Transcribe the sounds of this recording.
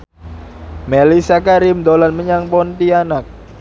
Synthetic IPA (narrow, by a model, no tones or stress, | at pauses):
melisakaɾimd̪olanməɲaŋpɔnt̪ianak̚